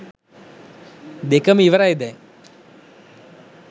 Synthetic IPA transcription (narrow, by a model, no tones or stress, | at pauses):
d̪ekəmiʋəɾajd̪ɛː